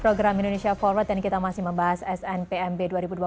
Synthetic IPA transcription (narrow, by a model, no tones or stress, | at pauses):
pɾoɡɾamindonesiafɔlwət̪̚dankit̪amasɪhməmbaɦasɛsɛnpeɛmbeduaɾibudua